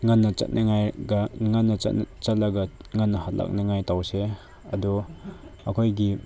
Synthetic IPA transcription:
ŋanːɐt͡ʃɐ̰t̚nʔɐŋajɡɐŋanːɐɐ̰tnt͡ʃɐt̚lɐɡɐŋanːɐhat̚lʔa̰k̚naŋajtawse | ɐdɔ | ɐkʰojɡi

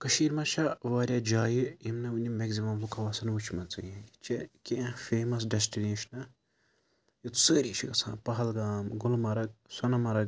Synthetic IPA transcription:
kɐʃiːɾmɐt͡ʃʰɐʋaːɾʲjad͡ʒaːjijimnɐunʲimeɡzimɐmlukʰɐʋaːsɐnʋut͡ʃʰmɐnt͡sɨ̰ĩit͡ʃʰekiɐ̃feːmɐs̬ɖesʈineːʃɐnɐ | jit̪səːɾiːt͡ʃʰikɐsʰã̰ːpɐɦɐlɡaːmɡulmɐɾɐk̚sɐnɐmɐɾɐɡ̚

